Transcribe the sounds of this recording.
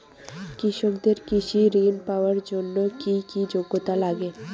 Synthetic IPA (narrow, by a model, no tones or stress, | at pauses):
kɾiʃokd̪eɾkiʃiɾinpaoaɾd͡ʑonːokikid͡ʑoɡːot̪alaɡe